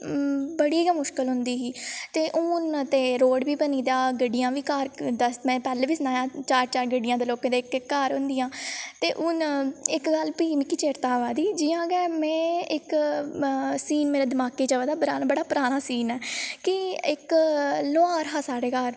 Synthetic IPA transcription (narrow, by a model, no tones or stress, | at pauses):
bəɽiːɡaːmʊʃkəlɦʊnd̪iːɦiːt̪eːʔʊnt̪eːɾoːɖʋiːbəniːd̪aːɡəɖɪjãːʋiːkəɾd̪asmɛ̃ːpɛːleːʋiːsnaːjaːt͡ʃaːɾt͡ʃaːɾɡəɖɪjãːd̪eːloːkẽːd̪eːɪkkːəɾɦʊ̃nd̪ijãːt̪eːʔʊnɪkɡəlpiːmikit͡ʃeːɾt̪aːʋaːd̪iːd͡ʒɪːãːɡɛːmɛ̃ːɪk | siːnmeːɾeːd̪ɪmaːkeːd͡ʒəʋəd̪aːbəɾaːnbəɽaːpəɾaːnaːsiːnɛːkɪɪkloaːɾɦaːsaːɽeːkəɾ